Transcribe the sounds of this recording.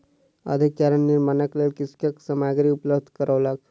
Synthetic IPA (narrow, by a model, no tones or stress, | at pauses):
ə̰d̪ʱikt͡ʃaɾənːiɾmanəklelkiskəksəmajɡɾiupləb̚d̪ʱkəɾəʋlak